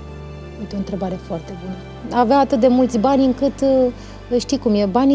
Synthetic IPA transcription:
jet̪ʲo̞ɨnt̪ɾe̞baɾe̞foart̪e̞bunə | aveaat̪ɨt̪̚d̪e̞mult̪sʲbanʲɨŋkɨt̪ | ʃt̪ijkumjebanʲ

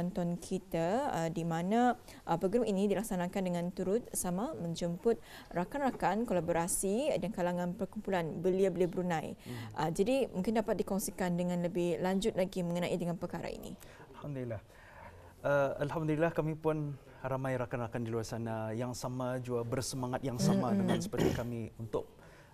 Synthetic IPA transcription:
ant̪ɔnkʰit̪aədimãnã | ʔəpɾoɡɾaminidilak̚sanãkandəŋãnt̪uɾʊt̪̚samamə̃ɲd͡ʒəmpʊt̪̚ | rakanrakankolaboɾasidankalaŋãnpərkumpulanbəliabəliabəɾunãjʔəd͡ʒadimũŋkɪndapat̪̚dikɔŋsikandəŋãnləbɪhlaɲd͡ʒʊt̪̚laɡimə̃ŋənãʔidəŋanpərkaɾa̰ḭnḭ | alhamd̪ulilːah | əalhamd̪ulilahkamipʊn | ramajɾakanrakandiluarsanajaŋsamad͡ʒuabərsəmaŋat̪̚jaŋsamadəmansəpərt̪ikamiunt̪ʊk̚

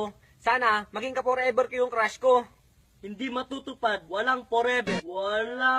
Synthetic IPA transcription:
saːnamɐɡɪŋkɐpoɾɛbɛɾkʊjʊŋkɾaʃko | hɪnd̪imɐt̪ut̪ʊpad̪̚wɐlaŋpoɾɛbɛwala

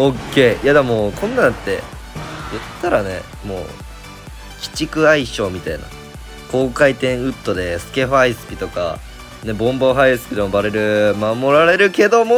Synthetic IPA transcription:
okːe̞ːjad̪emokʰõ̞nːãt̪ːe̞̰ | jɯ̟t̪ːaɾane̞̰ | mo̞̰ː | kʲi̥t͡ɕikɯ̟aiɕo̞ːmʲit̪aina̰ | ko̞ːkait̪ẽ̞ɰ̃ɯ̟t̪ːo̞d̪e̞sɨ̥ke̞ɸaisɨ̥pʲit̪o̞ka̰ | ne̞bõ̞mboɦaisɨ̥pʲid̪ombaɾeɾɯ̟mamo̞ɾaɾe̞ɾɯ̟ke̞d̪o̞mo

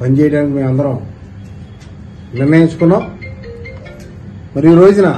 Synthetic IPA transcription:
pʰɐɲd͡ʒɛːjʈaːnikimeːmɐnd̪ɐɾɐm | nirnɐiɲt͡ʃu̥kunːaː | mɐɾijiɾoːd͡ʒunɐ

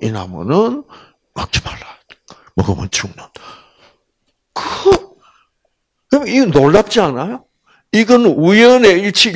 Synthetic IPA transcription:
ina̰mɯ̰nɯn | mak̚t͡ɕʰi̥mala | moɡɯmɯ̰nt͡ɕʰuŋnɯn | kɯ | ɯmindolːap̚t͡ɕianajo | iɡɯnujʌneit͡ɕʰi

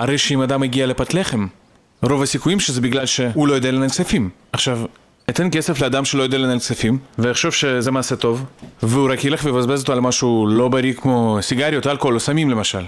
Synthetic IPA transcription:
haɾejʃeimad̪ameɡialepat̪leχem | ɾo̞vasikujimʃezebiɡlalʃeulo̞jod̪ealenalsefim | aχʃav | et̪enkeseflead̪amʃelojod̪ealenalsefimveeχʃo̞vʃezemaːset̪o̞vveuɾakjeleχvebazbezot̪oalmaʃulo̞baɾikmo̞siɡaɾijot̪alkolosamimlemaʃal

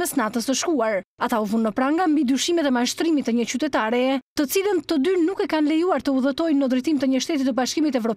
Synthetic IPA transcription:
ɛsnat̪əsəʃkuaɾat̪auvunːəpɾaŋɡambid̪yʃimɛt̪ɛmaʃt̪ɾimit̪əɲət͡ɕyt̪ɛt̪aɾɛɛt̪ət͡silənt̪əd̪ynukɛkanlɛjuaɾt̪əuðət̪ɔjnːəd̪ɾɛjt̪imt̪əɲəʃt̪ɛt̪̬it̪əbaʃkimit̪ɛvɾɔp

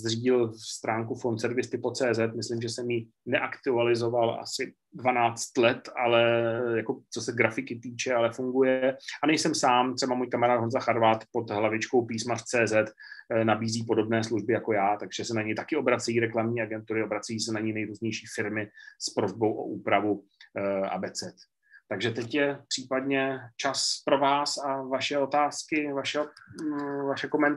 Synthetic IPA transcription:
zriːɟɪlst̪ɾaːŋkufont̪sɛɾvɪst̪ɪpo̞t͡sɛːzɛt̪mɪslɪmʒɛsɛmji | nɛʔakt̪ualɪzo̞vala̰sɪ | dvanaːt͡st̪lɛt̪alɛjako̞t͡so̞sɛɡɾafɪkɪt̪iːt͡ʃɛalɛfuŋɡujɛʔanɛjsɛmsaːmt̪r̥ɛbamujkamɛɾaːd̪ɦonzaxaɾvat̪po̞d̪ɦlavɪt͡ʃkowpiːsmart͡sɛːzɛt̪ | nabiːziːpo̞do̞bnɛːsluʒbɪjako̞jaːt̪aɡʒ̥ɛsɛnaɲɛjt̪akɪo̞bɾat͡sɛjiːɾɛklamɲiːaɡɛnt̪uɾɪobɾat͡sɛjiːsɛnaɲɛjnɛjɾuːzɲɛjʃiːfɪɾmɪspɾozbo̞wʔo̰ʔuːpɾavu | ʔa̰bɛːt͡sɛt̪ | t̪aɡʒɛt̪ɛcjɛpr̥iːpadɲɛt͡ʃaspɾo̞vaːsavaʃɛo̞t̪aːskɪvaʃɛo | vaʃɛkomɛnt̪

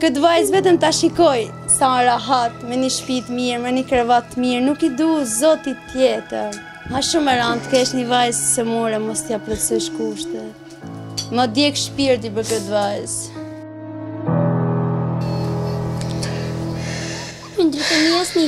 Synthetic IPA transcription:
kət̪vajzvɛt̪əmt̪aʃikɔj | sãɾaɦat̪mɛniʃpit̪miɾmɛnikɾɛvat̪ːmiɾnukid̪uzɔt̪it̪jɛt̪ə | haʃumɛɾant̪kɛʃnivajzsɛmuɾɛmɔst̪iaplɛsəʃkuʃt̪ɛ | məd̪jɛkʃpiɾt̪ipəkət̪vajz | ind̪əɾt̪ənuɛsni

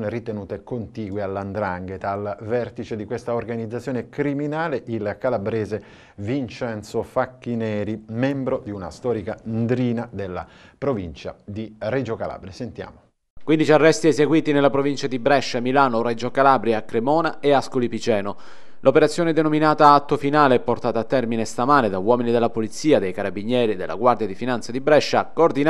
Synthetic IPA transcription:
nerit̪enuːt̪ekont̪iːɡwealːand̪ɾaŋɡet̪alvɛrt̪it͡ʃed̪ikwest̪aorɡanid̪zːat̪sjoːnekɾiminaːleʔilkalabɾeːze | vint͡ʃɛnt̪sofakːinɛːɾimɛmbɾod̪iuna̰st̪ɔːɾikand̪ɾiːnad̪elːa̰ | pɾovint͡ʃa̰d̪ired͡ʒokala̰ːbɾiasent̪ja̰ːmo | kwind̪it͡ʃiarːɛst̪iɛzeɡwiːt̪inelːapɾovint͡ʃad̪ibɾɛʃːamilaːnored͡ʒokalaːbɾjakːɾemɔːnaeaskolipit͡ʃɛːno | lʔopeɾat̪sːjoːned̪enominaːt̪aat̪ːofinaːleɛpːort̪aːt̪aːt̪ːɛrminest̪amaːned̪awɔːminid̪elːapolit̪siːad̪ejkaɾabiɲːɛːɾid̪ḛlːa̰ɡward̪jad̪ifinant̪sad̪ibɾɛʃːakoːrd̪in

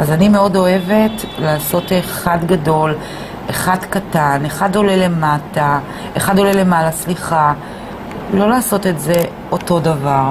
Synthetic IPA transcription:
azanime̞o̞do̞e̞ve̞tlaːso̞teχadɡado̞l | eχadkataneχado̞lele̞mata | eχado̞lele̞malasliχa | lo̞laːso̞te̞tze̞ | oto̞davaʁ

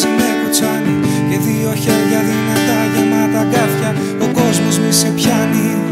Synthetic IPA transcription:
zemɐkot͡sɐni | ʝɐt̪io̞çeðʝɐðinɐt̪ɐʝenɐt̪ɐkɐθçɐ | oko̞zmo̞zmisepçɐni

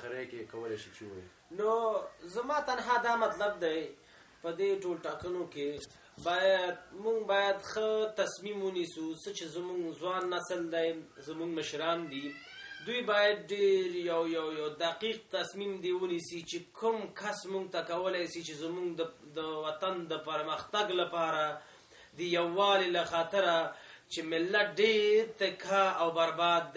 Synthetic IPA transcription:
ɾekekawəlajʃit͡ʃewa̰ḭ | nozamɑt̪anɦɑd̪ɑmat̪lab̚d̪aj | pəd̪eʈolʈɑkənoke | bɑjad̪̚muŋɡbɑjad̪xət̪asmimwənisusət͡ʃezmuŋɡzwɑnːasəld̪ajzəmuŋɡməʃɾɑnd̪i | d̪ujbɑjad̪̚ɖeɾjawjawjawd̪aqiq̚t̪asmimd̪ewənisit͡ʃekʰʊmkasmuɡ̚t̪akawəlajsit͡ʃezmuɡd̪əd̪əwat̪and̪əpəɾməxt̪aɡlapɑɾa | d̪əjawːɑlelaxɑt̪ɪɾat͡ʃemɪlːat̪̚ɖeɾt̪ɪkaawbaɾbɑd̪ː

